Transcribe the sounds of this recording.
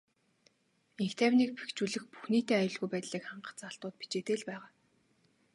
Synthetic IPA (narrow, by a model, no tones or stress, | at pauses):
eŋxt̪ʰæwnek̚pe̥kt͡ɕuːɮɘ̆xpu̥xniːt̪eːajʊɮɣujpæːt̪ɮiːkχaɴɢə̆χt͡saɬt̪ʊːt̪̚pi̥t͡ɕeːt̪eːɮpæːʁaː